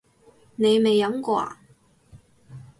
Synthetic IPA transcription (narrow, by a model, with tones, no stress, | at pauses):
ne˨˧jme˨jːɐ˨˥mkwa̰ː˧˩